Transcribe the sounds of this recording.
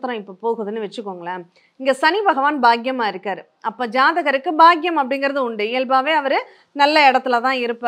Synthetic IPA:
t̪ːɾɐ̃ɪpːoːpoːɣɯðɯnːɯʋɛt͡ʃːɯkːoːŋɡɐɭaː | ɪŋɡesɐnibɐɣɐʋaːnbaːɡjɐmaːɪɾɯkːaːɾɯ | ɐpːoːd͡ʒaːðɐɣɐɾɯkːɯbaːɡɪjɐmɐpːɐɽɪnɡɐɾɐðɯʊɳɖɯɪɛlbaːʋeːɐʋɐɾɯ | nɐlːɐɛɽɐt̪ːɯlɐt̪ãːɪɾɯpːaː

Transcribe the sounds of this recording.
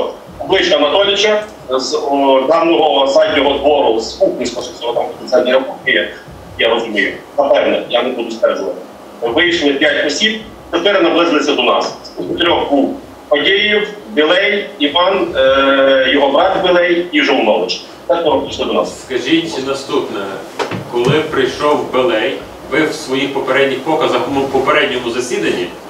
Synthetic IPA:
ɔblˠɪt͡ʃk̪ɐnɐt̪ɔlʲɪt͡ʃɐ | zd̪ɑwnɔɦɔzɑdʲnʲɔɦɔd̪ʋɔɾɔlˠzupnʲisʲk̪ɔʃɐsʲɔɦɔt̪ɑmʲsɛnʲiɾɐpɔkɪjɐk | jaɾɔzʊmʲɪjnɐpɛwnɛjanɛbud̪ʊst̪ɛrʒʊʋɐt̪ɪ̥ | ʋɪjiʃlˠɪpʲjatʲɔsʲib | t̪ep̪ɛɾnɐblˠɪzlˠɪsʲɐd̪ɔnɑsspʲikʊt̪ɾʲɔxbuw | pɔdʲejiwbɪlˠɛjiʋɑn | jɔɦɔbɾɑt̪bɪlˠɛjiʒɔwnɔlˠɪt͡ʃ | t̪ɛt̪ɔɦɔpiʃlˠɪd̪ɔnɑ̰sskɐʒitʲnɐst̪upnɛ | kɔlˠɪpɾɪjʃɔwbɪlˠɛj | ʋɪwsʋɔjixpɔpeɾɛdʲnʲixpɔkɐzɐkɔmʊpɔpeɾɛdʲnʲɔmʊzɐsʲid̪ɐnʲːi

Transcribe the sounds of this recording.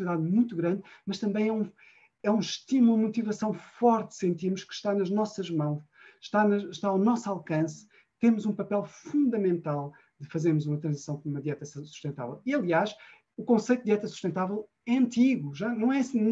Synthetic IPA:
iðaðmũj̃t̪uɣɾɐ̃nd̪mɐʃt̪ɐ̃mbɐ̃j̃ɛũ | ɛũʃt̪imulˠd̪mut̪ivɐsɐ̃w̃fɔɾt̪sẽnt̪imuʃkɨ̥ʃt̪anɐʒnɔsɐʒmɐ̃w̃ʃ | ʃt̪anɐʃt̪aawnɔsalˠkɐ̃s | t̪emuzũpɐpɛlˠfũnd̪ɐmẽnt̪alˠ | d̪ɨfɐzeɾmuzumɐt̪ɾɐ̃zisɐ̃w̃k̪umɐðiɛt̪ɐsu̥ʃt̪ẽnt̪a̰vɛlˠiɐlˠiaʃ | ukõsɐjt̪ud̪iɛt̪ɐsu̥ʃt̪ẽnt̪avɛlˠ | ɛɐ̃nt̪iɣuʒanɐ̃w̃ɛs

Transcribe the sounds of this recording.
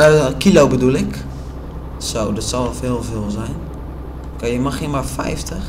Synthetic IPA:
kilowbədulɪk | sowdɔtsalɔlˠfɪːlˠvɪːlˠzɛjn | kəjəmaximarfɛ̰jftʰəx

